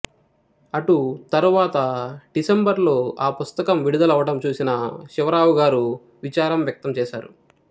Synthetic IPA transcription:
ɐʈut̪ɐɾuʋaːt̪ɐɖisembɐɾlo̞ːaːpust̪ɐkɐmʋiɽud̪ɐlɐʋɐʈɐmt͡ʃuːsinɐʃiʋɐɾaːwuɡaːɾu | ʋit͡ʃaːɾɐmʋjɐk̚t̪ɐmt͡ʃɛːʃa̰ːɾṵ

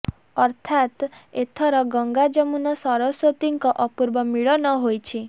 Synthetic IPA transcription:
ɔɾt̪ʰat̪et̪ʰɔɾɔɡɔŋɡad͡ʒɔmunɔsɔɾɔsot̪iŋkɔʔɔpuɾbɔmiɭɔnɔɦojt͡ʃʰi

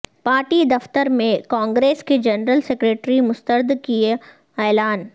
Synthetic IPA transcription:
paːɾʈid̪ɐft̪əɾmẽkãːŋɡɾeːsked͡ʒɐnɾəlseːkɾeːʈɾimʊst̪əɾd̪kie | ɛːlaːn

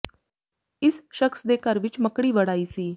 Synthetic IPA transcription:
ɪsʃəksd̪eːkəɾʋɪt͡ʃməkɽiːʋəɽaːiːsiː

